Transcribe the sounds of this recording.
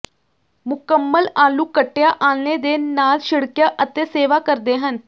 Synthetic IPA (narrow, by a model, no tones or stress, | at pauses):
mʊkəmːəlaːluːkəʈːjaːʔaːlneːd̪eːnaːlʃɪɽkjaːʔət̪eːseːʋaːkəɾd̪eːɦən